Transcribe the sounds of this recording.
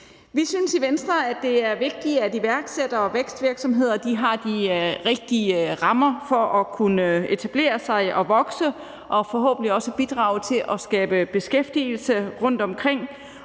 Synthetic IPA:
ʋisynsiʋensd̥ʁɐæd̥e̝æɐʋe̝ɡ̥̚d̥iædiʋæɐɡ̥sed̥ɐɒ̽ʋeɡ̥sd̥ʋiɐɡ̥sɒ̽mɦe̝ð̞̰ˠɐd̥iɦɑ̈d̥iʁeɡ̥̚d̥iəʁɑ̈mɐfɒ̽ʔɒkʰunəəe̝t͡sʰæb̥le̝̰ːɐsɑ̈ɪʔɒ̽ʋɒ̽ɡ̥sə | ʔɒ̽fɒ̽ɦɔ̰ːb̥n̩liɒ̽səb̥id̥ʁɑ̰̈ːʊt͡sʰe̝lʔɒ̽sɡ̥ɛːb̥əb̥e̝sɡ̥efd̥iːl̩səʁɔ̽n̰d̥ɒ̽mkʰʁeŋ̰

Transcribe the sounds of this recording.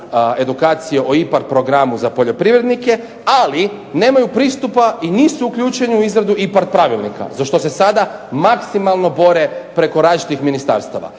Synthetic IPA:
e̞d̪ukaːt̪sijeʔoipaɾt̪̚pɾo̞ɡɾamuzapo̞ʎo̞pɾiʋɾe̞d̪nike̞ | ali | ne̞ːmajupɾiːst̪upainisuukʎʲuːt͡ʃe̞ɲuuizɾad̪uipaɾt̪̚pɾaːʋilnika̰zaʃt̪o̞se̞sad̪amaksimalˠno̞bo̞ɾe̞pɾe̞ko̞ɾaːzt͡ʃi̥t̪ixminist̪a̰ɾst̪aʋa̰

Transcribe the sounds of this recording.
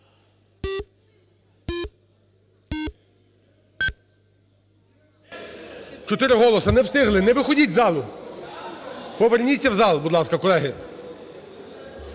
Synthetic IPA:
t͡ʃɔt̪ɪɾɪɦɔlˠɔsɐnɛwst̪ɪɦlˠɪnɛʋɪxɔdʲitʲzɑlˠʊ | pɔʋɛrnʲit͡sʲːɐwzɑlˠbud̪lˠɑskɐkɔlˠɛɦɪ

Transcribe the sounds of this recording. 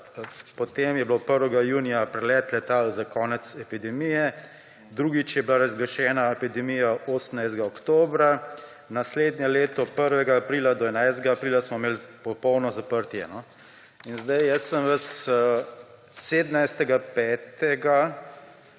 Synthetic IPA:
pɔt̪eːmjɛblopəɾʋɛɡajuːnijapɾɛlɛːt̪lɛt̪alzakɔːnɛt̪sɛpid̪ɛmijɛ | d̪ɾuːɡit͡ʃjɛblaɾazɡɾɛʃɛːnaɛpid̪ɛmijaʔoːsənajst̪ɡaɔkt̪oːbɾa | nasleːd̪njɛleːt̪ɔpəɾʋɛɡaːpɾilad̪ɔɛnajst̪ɛɡaːpɾiːlasmɔmeːlpɔpɔwnɔzapəɾt̪jɛnɔ | inzd̪ajjəsːəmʋəs | seːd̪najst̪ɛɡapɛːt̪ɛɡa

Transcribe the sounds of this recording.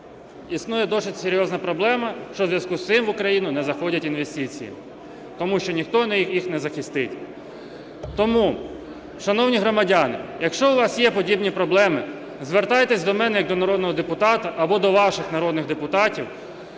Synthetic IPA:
isnujɛd̪ɔsɪtʲseɾʲjɔznɐpɾɔblˠɛmɐʃt͡ʃɔzʋjɐskust̪sɪmʋʊkɾɐjinʊnɛzɐxɔdʲɐtʲinʋest̪ɪt͡sʲḭjḭ | t̪ɔmuʃt͡ʃɔnʲixt̪ɔnɐjixjixnɛzɐxɪst̪ɪtʲ | t̪ɔmu | ʃɐnɔwnʲiɦɾɔmɐdʲɑnɪjɐkʃt͡ʃɔʊʋɑsjɛpɔdʲibnʲipɾɔblˠɛmɪ | zʋert̪ɑjt̪ɛsʲd̪ɔmɛnɛjɐk̚d̪ɔnɐɾɔd̪nɔɦɔd̪epʊt̪ɑt̪ɐʔɐbɔd̪ɔʋɑʃɪxnɐɾɔd̪nɪɣd̪epʊt̪ɑtʲiw

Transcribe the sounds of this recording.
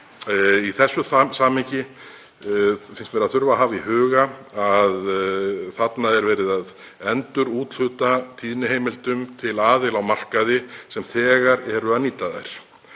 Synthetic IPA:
iθɛsːʏθasaːmɪɲcɪ | fɪnst̪vɛɾaðθʏɾvaðɦaːviɦʏːɣaaðθat̪naðɛɾvɛːɾɪðað | ɛnt̪ʏɾuːt̪l̥ʏt̪at̪ʰiːðnɪɦejmɪlt̪ʏmt̪ʰɪlaːðɪlawmar̥kaðɪsɛmθɛːɣaɾɛɾʏaðniːt̪laða̰jɾ̥

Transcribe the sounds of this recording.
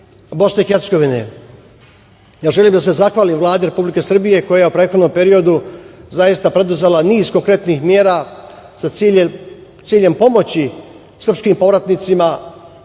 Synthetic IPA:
bo̞sne̞ixeɾt̪se̞ɡoʋinḛ | jaːʒe̞liːmd̪ase̞zaxʋaːlimvlˠaːd̪eɾe̞publike̞sr̩bije̞ko̞jajeupɾeːxo̞d̪no̞mpe̞ɾio̞d̪uzajist̪apɾe̞d̪uzelaniːzkoŋkɾe̞t̪nixmjeːɾaː | sai | t̪siːʎe̞mpo̞mo̞t͡ɕi | sr̩pskimpo̞ʋɾat̪nit̪sima

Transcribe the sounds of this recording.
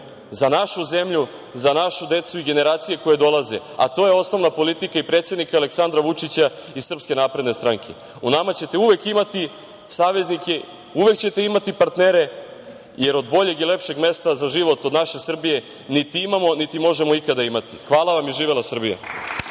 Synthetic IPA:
zanaʃuze̞mʎu | zanaʃud̪e̞t̪suiɡe̞ne̞ɾaːt̪sije̞ko̞je̞d̪o̞lˠazea̰t̪o̞jeo̞sno̞ʋnapo̞lit̪ikaipɾe̞ːt̪sjed̪nikaale̞ksand̪ɾaʋut͡ʂit͡ɕaisr̩pske̞napɾe̞d̪ne̞st̪ɾaŋkʰe̞̰ | unamat͡ɕe̞t̪e̞uʋe̞kimat̪i | saːʋe̞znike̞ | uʋe̞kt͡ɕe̞t̪e̞imat̪ipaɾt̪neɾe̞ | je̞ɾo̞d̪bo̞ʎe̞ɡile̞pʃe̞ɡme̞st̪azaʒiʋo̞t̪od̪naʃe̞sr̩bije̞ | nit̪iimamo̞nit̪imo̞ʒe̞mo̞ikad̪aimat̪ixʋaːlˠaʋamjiʒiːʋelˠasr̩bija̰

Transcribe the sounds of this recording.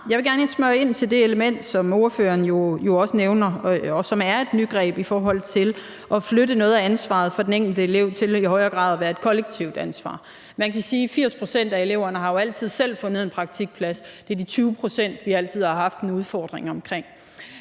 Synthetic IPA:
jɑ̈ɪʋe̝ɡæɐnesmɶɐe̝n̰t͡sʰe̝ld̥e̝eləmen̰d̥sɒ̽mo̝ːɐfø̰ːɐnjo̝jo̝ɒ̽səneʊnɐɒ̽sɒ̽mæɐe̝d̥ny̥ɡ̥ʁɛ̰ːb̥ifɒːɦɒ̽l̰t͡sʰe̝l | ʔɒ̽fløɾənɔ̽ːð̩ˠæænsʋɑ̰̈ð̞̩ˠfɒ̽d̥eneŋɡ̥l̩d̥əele̝ʊ̰t͡sʰe̝lihɒ̽ɪɐɡ̥ʁɑ̈ːð̞ˠɒʋæɐed̥̚kʰɒ̽leɡ̥̚t͡sʰiʊd̥ænsʋɑ̰̈ː | mænkʰæsiːfiɐ̰spʰʁo̝sen̰d̥æe̝le̝ʊ̰ɐnəhɑ̈jo̝æl̰t͡sʰið̞̰ˠsel̰fɔ̽nð̩ˠe̝npʰʁɑ̈ɡ̥̚t͡sʰiɡ̥̚pʰlæsd̥e̝ɐd̥it͡sʰyːʊpʰʁosen̰d̥ʋiæl̰t͡sʰið̞̰ˠhɑ̈ɦɑ̈fd̥nouð̞ˠfɒːd̥ʁeŋɒ̽mkʰʁeŋ̰

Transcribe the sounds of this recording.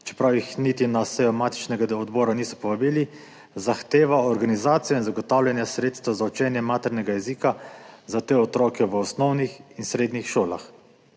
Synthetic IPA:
t͡ʃɛ̥pɾawjixnit̪inasɛjɔmaːt̪i̥t͡ʃnɛɡad̪ɔd̪bɔːɾanisɔ̥pɔʋabiːli | zaxt̪eːʋaɔɾɡanizaːt̪sijɔinzaɡɔt̪aːwlʲjanjasɾeːt̪st̪azaut͡ʃɛːnjɛmaːt̪ɛɾnʲɛɡajɛziːkazat̪eːɔt̪ɾɔːkɛʋəɔsnɔwnixinsɾeːd̪nixʃoːla̰x

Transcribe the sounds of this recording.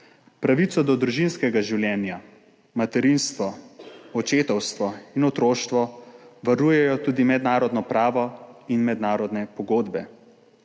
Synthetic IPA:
pɾaʋit̪sɔd̪ɔd̪ɾuʒinskɛɡaʒiwljɛːnja | mat̪ɛɾinst̪ʋɔɔt͡ʃeːt̪ɔwst̪ʋɔinɔt̪ɾoːʃt̪ʋɔʋaɾuːjɛjɔt̪uːd̪imɛd̪naːɾɔd̪nɔpɾaːʋɔinmɛd̪naːɾɔd̪nɛpɔɡoːd̪bɛ

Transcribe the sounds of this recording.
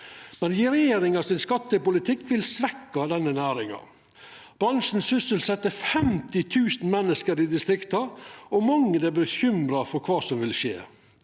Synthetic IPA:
mɛnjɪɾɛjeːɾɪŋɑsɪnskɑt̪ːəpʊlɪt̪ʰɪkːʋɪlsʋɛkːɑd̪ɛnːənæːɾɪŋɑ̰ | b̥ɾɑnʂn̩sʏsəlsɛt̪ːəfɛmt̪ɪt̪ʰʉːsn̩mɛnːəskəɾɪd̪ɪst̪ɾɪkt̪ɑɔmɑŋːəd̪ɛbəçʏmɾɑfɔɾkʰʋɑːsɔmʋɪlʂḛː

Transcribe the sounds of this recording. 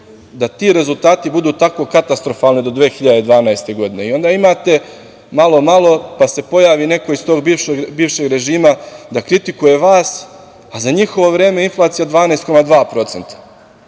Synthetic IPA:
d̪at̪iːɾe̞zulˠt̪aːt̪ibud̪uːt̪ako̞kat̪ast̪ɾo̞falnid̪o̞d̪ʋeːxiʎad̪ed̪ʋaːnajst̪e̞ɡo̞d̪ine̞io̞nd̪aimaːt̪e̞ | malˠo̞malˠo̞pase̞po̞jaːʋine̞ko̞ist̪o̞ːɡbiʋʃeɡbiːʋʃe̞ɡɾe̞ʒiːmad̪akɾit̪ikuje̞ʋaːs | azaɲixo̞ʋo̞ʋɾe̞ːme̞inflˠaːt̪sijad̪ʋaːneːst̪ko̞mad̪ʋaːpɾo̞t̪se̞nt̪ḁ

